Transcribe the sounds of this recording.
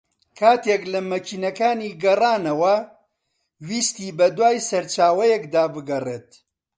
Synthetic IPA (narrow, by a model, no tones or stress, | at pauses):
kʰaːt̪eklɐmɐkiːnɐkaːniːɡɐraːnɐwɐ | wiːst̪iːbɐd̪waːjsɐɾt͡ʃaːwɐjɛkd̪aːbɨɡɐreːt̪̚